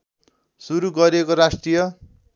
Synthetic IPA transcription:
suɾuɡʌɾekoɾasʈrijʌ

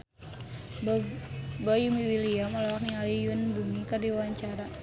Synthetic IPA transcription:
bajumiwiliamɔlɔwak̚niŋalijunbumikardiwawaɲt͡ʃaɾa

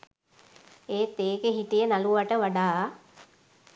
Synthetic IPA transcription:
eːt̪eːɡeɦitijənaluʋaʈəʋaɖaː

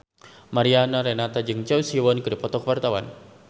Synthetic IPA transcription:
maɾianaɾɛnat̪ad͡ʒɨŋt͡ʃausiwɔnkɨdipɔt̪ɔkwart̪awa̰n

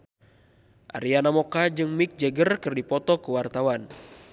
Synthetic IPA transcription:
ʔa̰ɾianamɔkad͡ʒɨŋmik̚d͡ʒɛɡərkɨrdipɔt̪ɔkəwart̪awan

